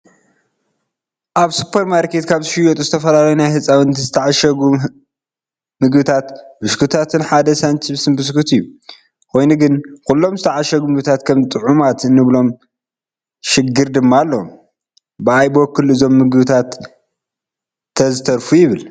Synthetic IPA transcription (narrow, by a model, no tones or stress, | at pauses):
ʔaβsupʰːɐɾmaɾkʰet̪kʰaβt̪ʰɨʃɨjot̪ʼuzɨt̪ʰɐfɐlalɐjunajhɨsʼawɨnt̪ʰizɨt̪ʰɐʕaʃɐɡu | mɨɡbɨt̪ʰat̪bɨskʰɨt̪ʰat̪ʰɨnħad̪ɐsɐnt͡ʃʰɨβsɨnbɨskʰɨt̪ɨjːu | kʰo̞jnuɡɨnkulːo̞mzɨt̪ʰɐʕaʃɐɡumɨβɨt̪ʰat̪kʰɐmt̪ʼɨʕumat̪ɨnːɨβlo̞m | ʃɪɡːɨɾd̪ɨmːalːom | bɨajbokʰːɨlɨzo̞mːɨɡɨβɨt̪ʰat̪ | ɐzɨt̪ʰɐɾfujɪβɨl